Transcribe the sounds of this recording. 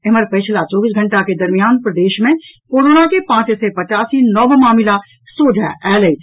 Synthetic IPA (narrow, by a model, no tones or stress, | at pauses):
eɦməɾpəɪt͡ʃʰlat͡ʃɔːbisɡʱə̃ɳʈaked̪əɾmijaːnpɾəd̪eːʃmẽkoːɾoːnakepãːt͡ʃsɛpət͡ʃaːsinɔbmaːmila | soːd͡ʒʱaʔɛːləi